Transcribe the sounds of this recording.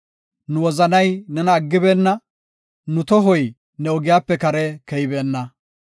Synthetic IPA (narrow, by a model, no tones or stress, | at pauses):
nʊwɔzɐnɐjnɛnɐːɡːɪbeːnːɐ | nʊt̪ɔɦɔj | nɛɔɡɪjaːpːɛkɐɾɛkɛjbeːnːɐ